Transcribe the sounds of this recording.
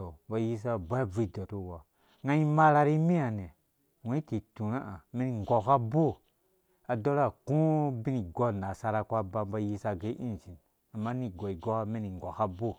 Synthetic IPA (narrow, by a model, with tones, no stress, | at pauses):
o˨ba˨ji˦s̬a˦bʷa˦vi˦i˦˨do˨to˦˨wa˨ | ŋa˦i˦ma˦ɾa˦ɾi˦mi˦a˨ne˨ | we˦i˦ti˨tu˨na˦ʔa˨mi˦ni˨ŋ˨ɡo˨ka˦bo˦˨ | a˨do˦ɾa˦˨kũ˦bi˦ni˨ɡo˦˨na˨sa˦ɾa˦kʷa˦ba˦mba˦ji˦sa˦ɡe˦ʔḭ˦nt͡ʃi˨n | a˨mːa˦ni˨ɡo˨i˨ɡo˦a˦mi˦ni˨ŋ˨ɡo˨ka˦bo˦